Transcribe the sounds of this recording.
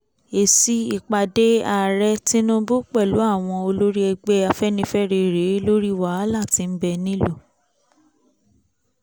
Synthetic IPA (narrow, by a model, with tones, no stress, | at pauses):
e˨si˦i˨k͡pa˨de˦a˨ɾɛ˦tĩ˦nũ˦bu˦k͡pɛ˦˨lu˨˦a˦˨w̃ɔ̃˧o˧lo˦ɾi˦ɛ˧ɡ͡bɛ˦a˧fɛ˦nĩ˧˦fɛ˦ɾe˧˨ɾe˨˦lo˦ɾi˦˨wa˦la˦˨ti˧˦m̩˦bɛ˧nĩ˦lo˦˨